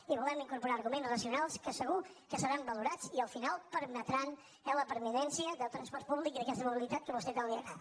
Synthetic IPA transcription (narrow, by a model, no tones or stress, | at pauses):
iβulɛmiŋkuɾpuɾaːɾɣumẽnzrəsiunalˠskəsəɣukəsəɾambəluɾat͡siəlˠfinalˠpəɾmət̪ɾan | ɛləpəɾminɛnsiəðəlˠt̪ɾənspɔɾt̪̚puβlikiðəkɛst̪əmuβilˠit̪at̪̚kəβust̪ɛt̪alˠiəɾa